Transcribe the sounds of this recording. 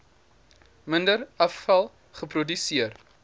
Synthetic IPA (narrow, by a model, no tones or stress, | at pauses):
məndəɾɐfːɐlˠ | χəpɾudysiər